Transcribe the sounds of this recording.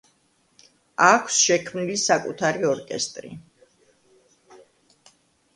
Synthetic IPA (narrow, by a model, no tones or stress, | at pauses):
akʰsʃɛkʰmnilisakʼṵt̪ʰaɾiɔɾkʼɛ̰st̪ʼɾḭ